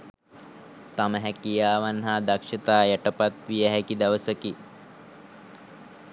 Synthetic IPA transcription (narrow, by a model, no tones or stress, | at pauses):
t̪aməɦækijaːʋanɦaːd̪akʂɐt̪aːjæʈəpat̪ʋijəɦækid̪aʋəsəki